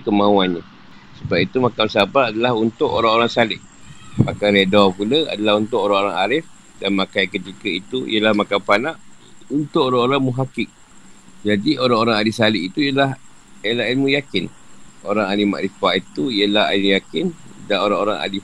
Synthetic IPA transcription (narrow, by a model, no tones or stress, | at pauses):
kəmãuanɲa | səbap̚it̪umakamsabaadalaɦunt̪ʊʔo̰ɾaŋoɾaŋsalɪʔ | makajɾedɔpuləa̰dalaɦunt̪ʊʔoɾaŋoɾaŋaɾɪf | danmakajkət̪ikəit̪uḭjəlahmakampanaʔ | unt̪ʊʔoɾaŋoɾaŋmuɦakɪk̚ | d͡ʒadioɾaŋoɾaŋalisalɪʔit̪ujəlaɦ | elaʔinmũjakɪn | ʔoɾaŋalima̰ʔɾifaʔit̪uijəlaɦa̰iljakɪndanoɾaŋoɾaŋa̰li